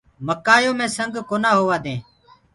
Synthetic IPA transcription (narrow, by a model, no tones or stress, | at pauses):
məkaːjõːmẽːsəŋɡkoːnaːɦoːʋaːd̪ẽː